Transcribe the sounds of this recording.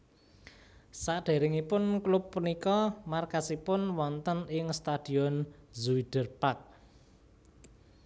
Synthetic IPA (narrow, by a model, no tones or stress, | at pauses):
saʔɖ̥e̤ɾɪŋipʊnklʊpːənikɔmarkasipʊnwɔnt̪ənɪŋst̪ad̥i̤ɔnzuid̥ərpak̚